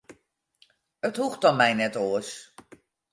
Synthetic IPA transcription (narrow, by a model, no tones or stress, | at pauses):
əthuχt̚ɑnmɛjnɛtoəs